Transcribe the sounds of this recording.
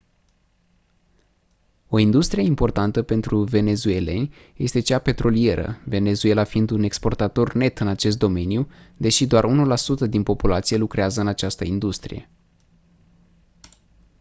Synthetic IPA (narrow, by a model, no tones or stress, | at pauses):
o̞ind̪ust̪ɾije̞impo̞rt̪ant̪əpe̞nt̪ɾuve̞ne̞zue̞le̞̰nʲ | je̞st̪e̞t͡ʃape̞t̪ɾo̞lie̞ɾʔə̰ve̞ne̞zue̞lafiind̪une̞kspo̞rt̪at̪o̞rne̞t̪ɨnat͡ʃe̞s̬t̪̚d̪o̞me̞njud̪e̞ʃid̪oarunulasut̪əd̪inpo̞pulat̪sijelukɾeazəɨnat͡ʃast̪əind̪ust̪ɾḭje̞̰